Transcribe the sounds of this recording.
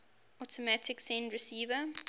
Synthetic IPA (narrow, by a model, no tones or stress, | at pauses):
ɔtʰɔmatʰɪksɛ̃ndɹɪsiːvə